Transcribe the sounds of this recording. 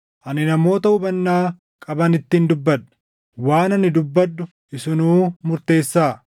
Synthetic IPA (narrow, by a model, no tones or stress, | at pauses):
ʔɐnɪnɐmo̞ːt̪ɐʊbɐnːaː | kʼɐbɐnɪt̪ːɪnd̪ʊbːɐᶑ̪ɐ̥ | waːnɐnːɪd̪ʊbːɐdːʊ | ʔɪsʊnuːmʊɾt̪e̞ːsːaː